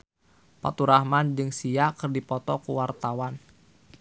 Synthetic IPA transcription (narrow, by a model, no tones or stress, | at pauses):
pa̰t̪uɾahmand͡ʒɨŋsiakɨrdipɔt̪ɔkuwart̪awan